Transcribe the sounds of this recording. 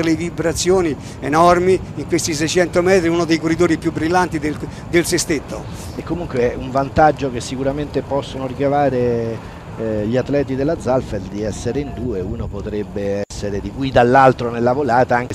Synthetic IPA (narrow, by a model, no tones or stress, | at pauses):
levibɾat̪sːjoːni | enɔrmiiŋkwest̪is̬ɛjt͡ʃɛnt̪omɛːt̪ɾiunod̪ejkorːid̪oːɾipjubːɾilːant̪id̪e | d̪elsest̪et̪ːo | ekːomuŋkweɛuɱvant̪ad͡ʒːok̟esːikuɾament̪epɔsːonoɾikavaːɾe | ʎiat̪ːlɛːt̪̬id̪elːad̪zalfeld̪iɛsːeɾeind̪uːeuːnopot̪ɾɛbːeɛsːeɾed̪ikujid̪alːalt̪ɾonelːavolaːt̪aaŋk